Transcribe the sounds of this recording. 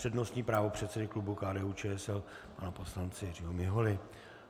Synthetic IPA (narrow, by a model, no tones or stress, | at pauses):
r̥ɛdno̞st̪ɲiːpɾaːvo̞pr̝̥ɛt̪sɛdɪklubukaːdɛːuːt͡ʃɛːɛsɛl | panaposlant͡sɪjɛrɪɦomɪɦolɪ